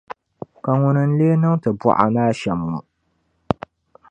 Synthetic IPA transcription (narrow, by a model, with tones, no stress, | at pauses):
ka˨ŋʊ˨nɨ˨n̩˦leː˦nɨ˦ŋtɨ˨bɔ̰˦˨ʔa̰˨naː˦ʃɛ˨mːu˨